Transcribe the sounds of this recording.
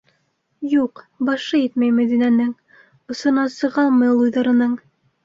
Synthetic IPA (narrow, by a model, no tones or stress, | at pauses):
juq | bɑʃɤjɘt̪mæjmæðinænɘŋ | ŏsŏnɑsɤ̆ʁɑlˠmɤjlˠujðɑɾɤ̆nɤɴ